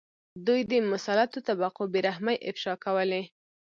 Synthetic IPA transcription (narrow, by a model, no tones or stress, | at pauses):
d̪ujd̪əmʊsalat̪ot̪abaqobeɾaɦmajʔɪfʃɑkawəle